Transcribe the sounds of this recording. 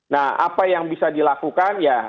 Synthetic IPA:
naha̰pajaŋbisadilakukanja

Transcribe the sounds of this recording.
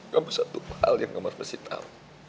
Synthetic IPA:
kabusat̪uha̰ljaŋːəmərbəsit̪ʰa̰

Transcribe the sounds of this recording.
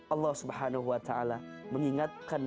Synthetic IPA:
ʔɑlˤːɑhsubħaːnaɦuwat̪aʔala | məŋiŋat̪̚kan

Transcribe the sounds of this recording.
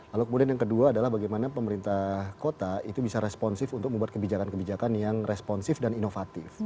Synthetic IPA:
lalukəmudianjaŋkəduaːdalahbaɡajmanapəməɾint̪ahkot̪ait̪ubisaɾɛspɔnsɪfunt̪ʊk̚əmbuat̪̚kəbid͡ʒakankəbid͡ʒakanjaŋrɛspɔnsɪfdaninofat̪ɪf

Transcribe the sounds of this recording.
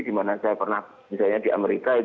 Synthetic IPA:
dimanasajapərnah | misalɲadiʔa̰meɾikait

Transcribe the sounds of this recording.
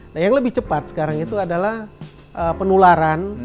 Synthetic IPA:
najaŋləbɪht͡ʃəpat̪̚sə̥kaɾaŋit̪uadalah | ʔəpənulaɾan

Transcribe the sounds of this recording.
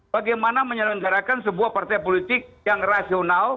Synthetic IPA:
baɡajmanaməɲələŋɡaɾakansəbuahpart̪ajpolit̪ɪk̚jaŋrasional

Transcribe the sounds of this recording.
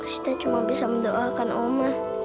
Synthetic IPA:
si̥t̪at͡ʃumaŋbisaməndoʔakanoma

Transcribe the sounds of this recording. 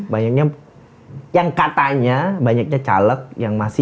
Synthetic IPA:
baɲak̚ɲa | jaŋkat̪aɲabaɲak̚ɲat͡ʃa̰lək̚jaŋmasɪ

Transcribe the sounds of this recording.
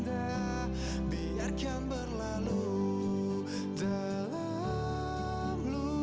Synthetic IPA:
d̪a | biarkambərlalu | d͡ʒa | la | mlu

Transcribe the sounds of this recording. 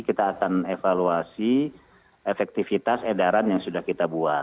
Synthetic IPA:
kit̪aːkanefaluasi | efɛk̚t̪ifit̪asedaɾanjaŋsudahkit̪abua

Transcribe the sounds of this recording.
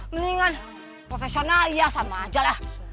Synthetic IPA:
məliŋan | pɾofesionalijasamad͡ʒalah

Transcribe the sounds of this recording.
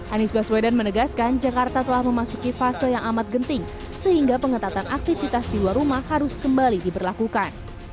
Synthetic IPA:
ʔanisbaswedanmənəɡaskand͡ʒakart̪at̪əlahməmasukifasɪljaŋamat̪̚ɡənt̪ɪŋ | səhiŋɡapəŋət̪at̪anʔak̚t̪ifit̪asdiluarumahhaɾʊskəmbalidibərlakukan

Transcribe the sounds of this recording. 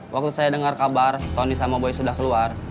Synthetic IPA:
wʔak̚t̪usajadəŋarkabart̪onisamaboɛsudahkəluar

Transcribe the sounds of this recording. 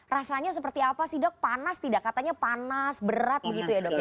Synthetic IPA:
rasaɲasəpərt̪iapasɪhdɔk̚panast̪idaʔkːat̪aɲapanasbəɾat̪̚bəɡit̪ujadɔk

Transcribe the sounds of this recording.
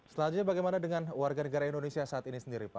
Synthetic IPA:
slad͡ʒuɲabaɡajmanadəŋanwarɡanəɡaɾaindonesiasaːt̪inisəndiɾipa

